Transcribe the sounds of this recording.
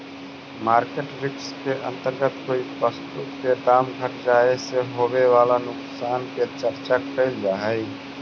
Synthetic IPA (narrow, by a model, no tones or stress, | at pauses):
maɾkeʈɾikskeʔə̰̃nt̪əɾɡət̪koipəst̪ut̪ked̪amɡʱəʈd͡ʒaeseɦoβeʋalanʊksanket͡ʃəɾt͡ʃakʰəɪld͡ʒaɦəɪ